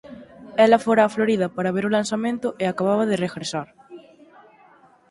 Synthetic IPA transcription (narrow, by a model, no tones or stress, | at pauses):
ɛlɐfoɾaːfloɾið̞ɐpaɾaβeɾʊlansamẽnt̪ʊʔeakaβaβɐðereɣɾesaɾ